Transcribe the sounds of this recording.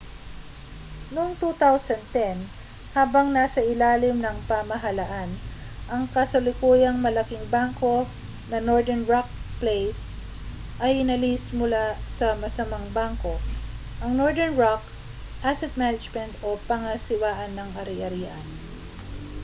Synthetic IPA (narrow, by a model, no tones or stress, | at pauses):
noŋt̪ut̪awsɐnd̪̚t̪ɛn | haːbɐŋnaːsɐʔɪlaːlɪmnɐŋpɐmɐɦɐlɐʔanʔɐŋkɐsɐlɪkuːjɐŋmɐlɐkiŋbaŋko̞ | nɐnoɹd̪ɛnɹak̚plejs | ʔɐjɪnɐlismʊlasɐmɐsɐmaŋbaŋko̞ʔɐŋnoɹd̪ɛɹnɹak | ʔasɛt̪̚manɐd͡ʒmɛnt̪ʔo̞pɐŋɐsɪwaːʔɐnːɐŋʔɐɾɪʔɐɾiːʔɐn